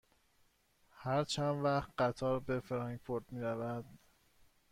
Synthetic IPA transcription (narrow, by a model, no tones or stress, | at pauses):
hæɾt͡ʃʰænd̪væχt̪ɢæt̪ʰɒːɾbe̞fɾɑŋɡfʰoɾt̪miːɾævæd̪̥